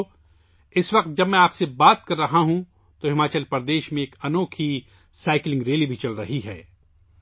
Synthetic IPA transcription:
ɪsʋɐq̚t̪̚d͡ʒɐbmɛ̃aːpsebaːt̪kɐɾːɐɦaɦũ | t̪oɦɪmaːt͡ʃəlpɐɾd̪eːʃmẽeːkɐnoːkʰi | saːɪklɪ̃ŋɡɾeːlibʱit͡ʃɐlɾɐɦiɦɛː

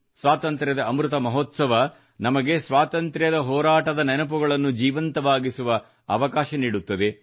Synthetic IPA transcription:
sʋaːt̪ɐnt̪ɾjɐd̪ɐːmɾut̪ɐmɐɦot̪sɐʋɐ | nɐmɐɡe̞sʋaːt̪ɐnt̪ɾjɐd̪ɐɦɔːɾaːʈɐd̪ɐnɛnɐpuɡɐɭɐnːud͡ʒiːʋɐnt̪ɐʋaːɡisuʋɐ | ɐʋɐkaːʃɐniːɽut̪ːɐd̪e̞

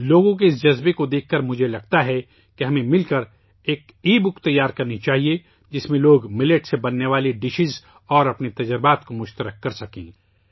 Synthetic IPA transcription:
loːɡõk̬eɪs̬d͡ʒɐzbekod̪eːkʰːɐɾmʊd͡ʒʱelɐɡ̚t̪aɦɛ | keɦɐmẽmɪlkəɾ | eːk | iːbʊkt̪ɐjːaːɾkɐɾnit͡ʃaːɦie | d͡ʒɪsmẽloːɡmɪleʈsebɐnːeʋaːleɖɪʃɪz | ɔːɾɐpnit̪ɐd͡ʒəɾbaːt̪komʊʃt̪əɾəkːɐɾsɐkḛ̃ː

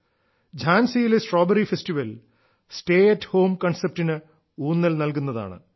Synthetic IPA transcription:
d͡ʑʱaːnsijilesʈroːbɐɾifesʈiʋɐl | sʈeːɐtːho̞ːmkɐɳsep̚ʈinɨ | uːnːɐlnɐlkunːɐða̰ːɳɨ̰

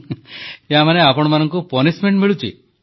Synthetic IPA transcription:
eɦamaneapɔɽ̃ɔmanɔŋkupɔnismeɳʈmiɭut͡ʃʰḭ

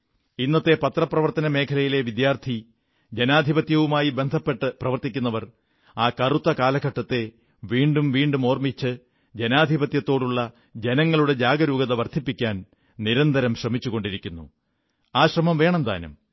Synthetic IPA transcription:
inːɐt̪ːe̞pɐt̪rɐprɐʋɐrt̪ɐnɐme̞ːkʰɐlɐjile̞ʋid̪jaːrt̪ʰi | d͡ʑenaːd̪ʱibɐt̪jɐʋumaːjibe̞nd̪ʱɐpːeʈːɨprɐʋɐrt̪ikʲːunːɐʋɐr | aːkɐrut̪ːɐkaːlɐkɐʈːɐt̪ːe̞ | ʋiːɳɖumʋiːɳɖumo̞ːrmit͡ɕːɨ | d͡ʑenaːd̪ʱibɐt̪jɐt̪ːo̞ːɽuɭːɐ | d͡ʑe̞nɐŋːɐɭuɽe̞d͡ʑaːɡɐɾuːɡɐðɐʋɐrt̪ʰipːikʲːaːn | niɾɐnd̪ɐɾɐmɕrɐmit͡ɕːuɣo̞ɳɖiɾikʲːunːṵ | aːɕrɐmɐmʋe̞ːɳɐnd̪a̰ːnṵm

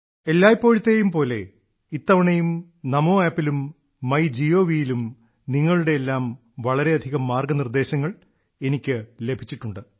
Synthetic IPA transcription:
elːaːjipːo̞ːɻit̪ːejumpo̞ːle̞̰ | it̪ːɐʋɐɳɐjum | nɐmo̞ːaːpːilumː | ɐjd͡ʑijo̞ːʋijilum | niŋːɐɭuɽe̞ːlːaːm | ʋɐɭɐɾe̞ɐd̪ʱiɣɐmːaːrɡɐnird̪e̞ːɕɐŋːɐɭ | e̞nikʲːɨle̞bʱit͡ɕːiʈːuɳɖɨ

